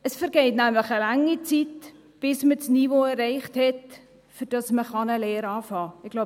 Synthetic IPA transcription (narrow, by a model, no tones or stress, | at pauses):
əsfɛɾɡeɪtnæmləχəlaŋːit͡sit | b̥ɪsmət͡sniːvoːɛrːɛɪχthɛt | fyd̥ɑsməχɑnəlɛːɾɑːfɑːɪɡ̥lo